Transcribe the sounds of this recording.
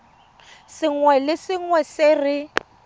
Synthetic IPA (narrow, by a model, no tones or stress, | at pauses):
sɪŋwɛlɪsɪŋ̩wɛsɪrɪ